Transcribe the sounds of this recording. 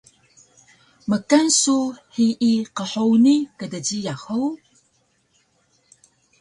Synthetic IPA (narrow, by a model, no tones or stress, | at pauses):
məkansuħiʔːqəħownikədəɟijaxəw